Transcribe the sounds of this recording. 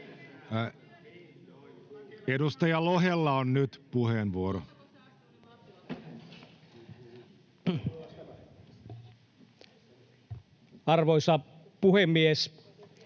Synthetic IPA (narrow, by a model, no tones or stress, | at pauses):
edust̪ɑjɑloɦelːɑonnyt̪puheːnʋuoɾo | ɑrʋoisɑ | puhemːies